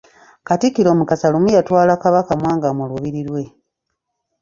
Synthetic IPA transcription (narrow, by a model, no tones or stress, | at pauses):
katikːiɾo̞ːmukasalumujatwaːlakaβakamwaːŋɡamuluβiɾiɾwe̞